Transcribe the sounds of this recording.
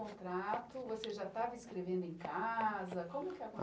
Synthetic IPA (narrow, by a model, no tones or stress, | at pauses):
õt̪ɾat̪ʊvoseʒat̪avɐiskɾevẽnd̪ʊẽkazɐkõmʊɛkɪɐkõ